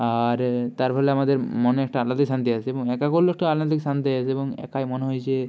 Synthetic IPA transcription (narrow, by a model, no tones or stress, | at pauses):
aɾt̪aɾpʰɔleamad̪eɾmoneɛk̚ʈaalːad̪esant̪iat͡ɕʰeeboŋɛkakolːek̚ʈaalːat̪iksant̪iɦjat͡ɕʰeeboŋɛ̰kajmoneɦɔjt͡ɕʰe